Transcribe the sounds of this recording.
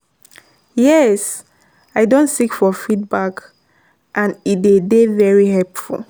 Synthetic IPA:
jɛs | aɪdõntsikfɔfid̚bak | ʔãnidedevɛɹiɦɛlpfṵl

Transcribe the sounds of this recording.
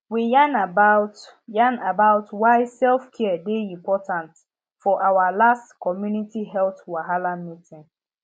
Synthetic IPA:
wijanabat | janabaʊtwaɪsɛlfkʰɛdeĩmpɔtʰãnt | fɔʔawalastkʰɔmjunitiɦɛlθwaɦalãnmitĩn

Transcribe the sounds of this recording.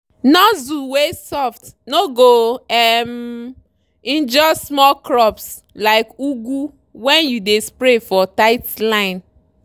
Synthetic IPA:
nɔzuwesɔftnoɡoɛm | ĩnd͡ʒɔsmɔlkɾɔps | laɪkuɡu | wɛ̃njudespɾefɔtaɪtlãɪ̃n

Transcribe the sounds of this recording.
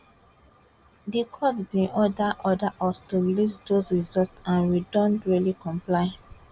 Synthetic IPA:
dikʰɔdbĩʔɔdaʔɔdaʔɔstuɹilisdosɹizɔltãnwidɔ̃ntɹilikɔ̃mplaɪ

